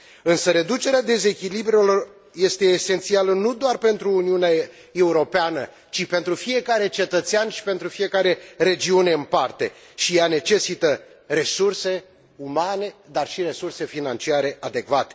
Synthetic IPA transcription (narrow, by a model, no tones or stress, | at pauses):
ɨnsəɾe̞d̪ut͡ʃe̞ɾead̪e̞ze̞kʲilibɾelo̞r | je̞st̪e̞ːse̞nt̪sialənud̪oarpe̞nt̪ɾuːniunea | e̞uɾo̞peanə | t͡ʃipe̞nt̪ɾufije̞kaɾe̞t͡ʃe̞t̪ət̪seanʃi̥pe̞nt̪ɾufije̞kaɾe̞re̞d͡ʒiune̞ɨnpart̪e̞̰ | ʃijane̞t͡ʃe̞sit̪ə | ɾe̞surse̞ | umane̞d̪arʃiɾe̞surse̞finant͡ʃiaɾe̞ʔad̪e̞kvat̪e̥